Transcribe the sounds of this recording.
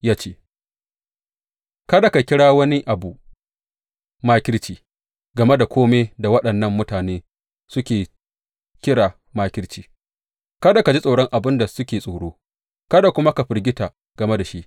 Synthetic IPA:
jaː˦t͡ʃeː˦ | kɐ˦da˨ka˨kʲɪ˦ɽaː˦wɐ˦ni˦ʔa˨bu˨ | maː˦kʲɪ˦ɾt͡ʃiː˨ | ɡɐ˨me˦da˨kʷoː˦meː˦da˨wɐ˦ɗɐ˨nːɐ˦˨mːʊ˦taː˨neː˦ | sʊ˦kʲeː˨ | kʲɪ˦ɽaː˨ | maː˦kʲɪ˦ɽt͡ʃiː˨ | kɐ˦da˨ka˨d͡ʒi˦sʼoː˨ɽɔ˦ŋʔa˨bɪ˦nda˨sʊ˦kʲeː˨sʼoː˨ɽoː˦ | kɐ˦da˨kʷʊ˦ma˦ka˨ɸɪ˨rɡʲɪ˦ta˨ | ɡ̥ɐ˨me˦da˨ʃi˦ʔ

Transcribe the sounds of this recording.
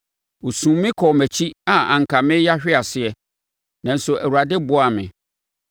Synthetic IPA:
o˨sũ˨˦mɪ̃˦kʰɔ˨mæ˨t͡ɕʰi˦a˨ã̰˨ŋ̩˨kʰa˨mɪ̃˦ja˦ɕᶣɪ˦a˨sɪ˨ɛ˨ | nã˨n̩˦sʊ˨ʔæ˨wu˨a˨dɪ˦bʊ˦a˨mɪ̰̃˨

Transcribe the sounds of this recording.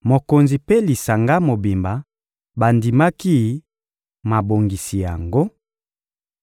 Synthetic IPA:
mo˨ko˨nzi˨pe˦li˨sa˨ŋɡa˦mo˨bi˨mba˨ | ba˨ndi˨ma˦ki˦ | ma˨bo˨ŋɡi˨si˨ja̰˨ŋɡo˦

